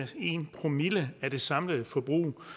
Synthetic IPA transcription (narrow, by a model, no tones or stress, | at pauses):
e̝npʰʁo̝miləæd̥e̝sɑ̈mləð̩ˠfɒ̽b̥ʁṵː